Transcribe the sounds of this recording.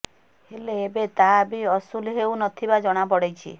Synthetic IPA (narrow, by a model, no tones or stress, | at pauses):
heleːbet̪abiɔsulɦewnɔt̪ʰibad͡ʒɔɽ̃apɔɽejt͡ʃʰḭ